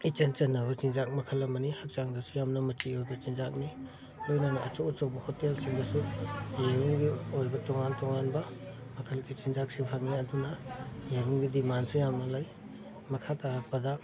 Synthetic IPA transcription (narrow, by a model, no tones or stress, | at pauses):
it͡ʃɐnt͡ʃɐnːɐbɐt͡ʃind͡ʒak̚mɐkʰɐlɐmɐnihɐk̚t͡ʃaŋdɐsujamnɐmɐtiojbɐt͡ʃinzak̚ni | lojnɐnɐʔɐt͡ʃot͡ʃowbɐhotelsiŋdɐsujeɾuŋɡiojbɐtɔŋantɔŋanbɐ | mɐkʰɐlɡit͡ʃind͡ʒak̚sipʰaŋiɐdunɐjeɾuŋɡidimansujamnɐlaj | mɐkʰataɾak̚pɐdɐ